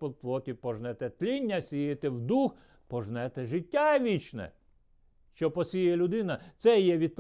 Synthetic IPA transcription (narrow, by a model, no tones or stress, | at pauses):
pɔplˠɔkʲipɔʒnɛt̪ɛt̪lʲinʲːɐsʲijet̪ɛwd̪ux | pɔʒnɛt̪ɛʒɪtʲːaʋʲit͡ʃnɛ̰ | ʃt͡ʃɔpɔsʲijɛlʲʊd̪ɪnɐt̪sɛjɛʋʲid̪̚p